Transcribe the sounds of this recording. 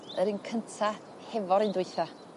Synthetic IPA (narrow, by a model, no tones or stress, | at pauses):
əɾinkʰəntʰa | hɛvɔɾindʊɨθa